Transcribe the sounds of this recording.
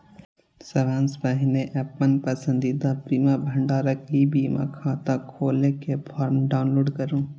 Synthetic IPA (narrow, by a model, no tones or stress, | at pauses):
sɐɾaːnsbɐɦɪneʔɛpːənpɐsə̃nd̪id̪abiːmaːbʱɐɳɖaːɾɐkibiːma̰kʰãːt̪akʰoːlekepʰaːɾmɖaːʊnloːɖkɐɾũː